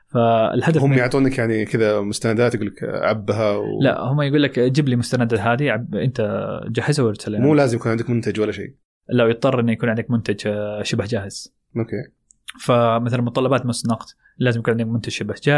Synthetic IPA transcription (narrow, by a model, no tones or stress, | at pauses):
faɪ̰lħaahʊmjɪʕt̪ˤuːnakjaʕnikɪðamʊst̪anad̪aːt̪jɡuːlːakʕabːɦawla̰ʔhʊmːajɡuːlːakd͡ʒɪblimʊst̪anad̪aɦaːðiʕabʔɪ̰nt̪ad͡ʒaħɪzawɪɾsalʔɪnmuːlaːzɪmjakuːnʕɪnd̪akmʊnt̪ad͡ʒwalːaʃḛː | lawjɨt̪ˤːɑrˤːʔɪnːjakuːnʕɪnd̪akmʊnt̪ad͡ʒʃʊbhd͡ʒaːhɪz̥ | ʔokeː | famɪθalanmʊt̪ˤːɑlːɑbaːt̪mʊsnɑqt̪ | laːzɪmjkuːnʕɪnd̪kmʊnt̪ad͡ʒʃʊbhd͡ʒaː